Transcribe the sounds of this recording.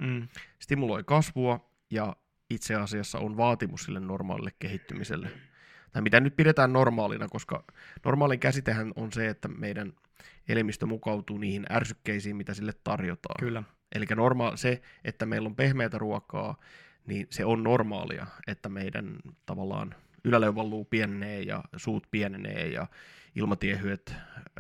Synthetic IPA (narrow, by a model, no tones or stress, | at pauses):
st̪imulo̞ikɑsʋuɑ | jɑ | it̪seɑsiɑsːɑ̰ʔonʋɑːt̪imussḭlːenːnormɑ̰ːlḭlːekkeɦit̪ːymisḛlːe | t̪ɑimit̪ænyt̪̚pidet̪æːnːo̞rmɑːlḭnɑkoskɑ̰normɑːliŋkæsit̪eɦænonseet̪ːæmeijdæn | elemist̪ømukɑut̪uːniːhinʔæ̰rsykːeisiːmmit̪æsilːet̪tɑrjot̪ɑ̰ːnylː | ʔḛlikːænormɑːlseʔet̪ːæmeilːompehmeːt̪æruɑkɑ̰ː | niːnseonnormɑ̰ːlḭɑ̰et̪ːæmeidæ̰nt̪ɑʋɑlːˑɑ̰ːn | ylæleuʋɑlːuːpiɛnːeːjɑ̰suːt̪piɛnnḛːjɑ̰ḭlmɑt̪iehyet̪